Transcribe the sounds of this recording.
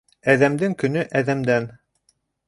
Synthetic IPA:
æðæmd̪ɘŋkɵ̆nɵʔæðæmd̪æn

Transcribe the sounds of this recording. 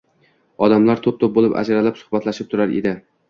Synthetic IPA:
ɒd̪amlaɾt̪ʰop̚t̪ʰop̚bolˠɪpa̰d͡ʒaɾalapsʊ̥hbat̪ʰlaʃɪp̚t̪ʰʊɾaɾḛd̪ɪ

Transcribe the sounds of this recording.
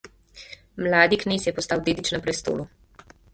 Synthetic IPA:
mlaːd̪ikneːsjɛpɔst̪aːwd̪eːd̪it͡ʃnɛpɾɛst̪o̰ːlu

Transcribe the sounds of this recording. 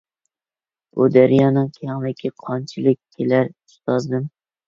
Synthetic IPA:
ud̪æɾjɑːnɨŋkʰʲeɑŋlɪkʲʰiqʰɑnt͡ʃʰilˠɪk̚ʲkʲʰːelæɾy̥st̪ɑzd̪ɨm

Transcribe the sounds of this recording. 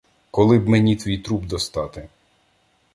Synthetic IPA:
kɔlˠɪbmenʲit̪ʋʲijt̪ɾubd̪ɔst̪ɑt̪ɪ

